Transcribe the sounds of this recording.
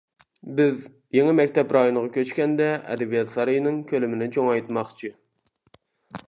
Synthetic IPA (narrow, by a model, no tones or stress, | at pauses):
bɪz | jeŋɨmɛkʲt̪ʰɛpɾɑjonʁɑkʲʰøt͡ʃkʲɛnd̪ɛɛ̰d̪ɛbijɑt̪fɑɾɨjnɨŋkʲʰølɪmɪnɪt͡ʃʰoŋɑjt̪mɑχt͡ʃʰi